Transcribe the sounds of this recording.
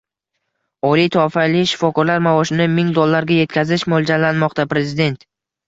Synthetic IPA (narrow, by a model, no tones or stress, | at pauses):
ɒlijt̪ʰɒfalɪʃɪ̥fɒkʰɒɾlaɾmavɒʃɪnɪmɪŋd̪olːaɾɡʲaje̞t̪kʲʰazɪʃmolˠd͡ʒalːanmɒqt̪apɾe̞zɪd̪e̞nt̪